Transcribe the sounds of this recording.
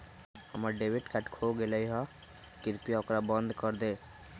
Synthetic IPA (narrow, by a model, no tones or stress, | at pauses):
həməɾɖeʋɪʈkaʈkʰoɡeləiɦã | kɪɾpiaokɾabə̃nd̪kəɾd̪eː